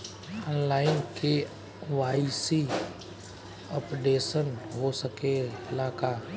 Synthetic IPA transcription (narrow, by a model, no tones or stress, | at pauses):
ɔːnlaːɪnkʰe | ʋaːisi | ɔːpɖeːsənɦosəkeɪlaːkaː